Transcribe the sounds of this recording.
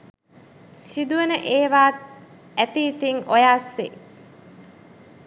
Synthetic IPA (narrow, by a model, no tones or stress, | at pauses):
sid̪uenəʔeːʋaːt̪ | æt̪iːt̪iŋʔojaːɾsḛ